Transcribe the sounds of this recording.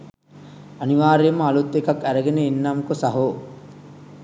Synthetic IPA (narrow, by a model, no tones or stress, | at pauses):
ɐniʋaːɾeːməːlut̪ːekakæɾeɡeneinːamkosaɦoː